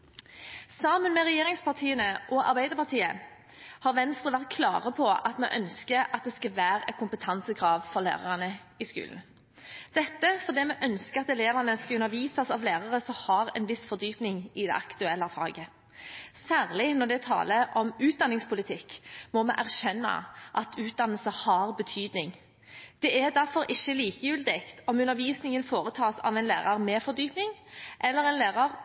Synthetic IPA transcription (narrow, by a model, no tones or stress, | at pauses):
sɑmənmɛʁɛjeːʁɪŋspɑʁt̪ʰiːənəʔɔɑ̰ʁbæɪd̪əʁpɑʁt̪ʰiːə | hɑːʁʋɛnst̪ʁəʋæʁt̪̚kʰlɑːʁəpʰɔɑt̪mɛ̰ʔœnskəɑt̪̚d̪ɛskɑʋæːʁɛkʰʊmpət̪ʰɑnsəkʰʁɑːʋfɔʁlæ̰ːʁɑ̰ʁənə | ɪskʉ̰ːln̩ | d̪̥ɛt̪ːəfɔʁd̪eːmɛʔœnskəɑt̪ɛleːʋənəskɑʉnəɾʋiːsɑsɑʋleːʁɑʁəsɔhɑʁɛ̰nʋɪsfɔʁd̪yːpnɪŋɪd̪ɛ̰ɑkt̪ʉɛlːɑfɑ̰ːɡə | sæːʁlɪnɔʁd̪ɛt̪ʰɑ̰ːləʔɔmʉːt̪̚d̪ɑnːɪŋspʰʊlɪt̪ʰɪkːmɔmɛʔæʁʃɛnːɑ̰ʔɑt̪ʰʉːt̪̚d̪ɑnəlsəhɑʁbət̪ʰyːd̪nɪŋ | d̪̥ɛæd̪æʁfɔɾʔɪçːəliːkəjʉːld̪ɛkt̪ʰɔmʉnːəɾʋiːsnɪŋənfoːʁət̪ʰɑːsɑ̰ʋɛɪnlḛːʁɑʁmɛːfɔʁd̪yːpnɪŋʔɛlːəɾɛnleːʁɑʁ